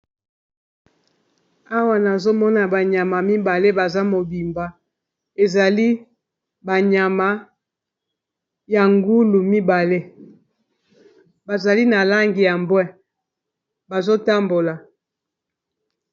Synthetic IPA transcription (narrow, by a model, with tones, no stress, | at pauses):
a˦wa˨na˨zo˦mɔ˦na˨ba˨ɲa˨ma˨mi˦ba˨le˦ba˨za˦mo˨bi˨mba˨ | e˨za˨li˦ | ba˨ɲa˨ma˨ | ja˨ŋɡu˦lu˨mi˦ba˨le˦ | ba˨za˨li˦na˨la˦ŋɡi˨ja˨mbwɛ˦ | ba˨zo˦ta˦mbo˨la˨